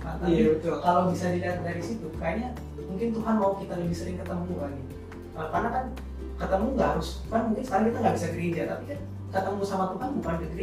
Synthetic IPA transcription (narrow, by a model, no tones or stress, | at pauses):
at̪apit̪kalawbisadiliat̪̚daɾisit̪ukɾajaɲa | muŋkɪnt̪uɦanmaukit̪aləbɪhsəɾɪŋkət̪əmuanɪ | alkarnakan | kət̪əmuŋɡaʔɦaɾʊsukanmuŋkɪnsə̥kaɾaŋkit̪aŋɡabisaɡəɾed͡ʒat̪apikan | kət̪əmusamat̪uɦanbukankəɡəɾe